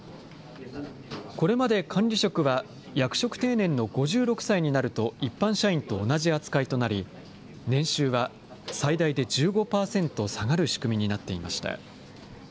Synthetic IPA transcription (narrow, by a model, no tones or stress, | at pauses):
ko̞ɾe̞mad̪e̞kʰãɲɾʲiɕo̞kɯ̟βa | jakɯ̟̥ɕo̞kɯ̟̥t̪e̞ːnẽ̞nːo̞ɡo̞ʑɨːɾo̞kɯ̟̥saiɲ̟inaɾɯ̟t̪o̞ipːãɰ̃ɕaĩnt̪o̞ːnaʑiat͡sɨ̥kait̪o̞naɾʲi | nẽ̞ɰ̃ɕɨːβa | said̪aid̪e̞d͡ʑɨːɡo̞paːsẽ̞nt̪o̞saɡaɾɯ̟ɕi̥kɯ̟mʲiɲ̟inat̪ːe̞ima̰ɕi̥t̪a̰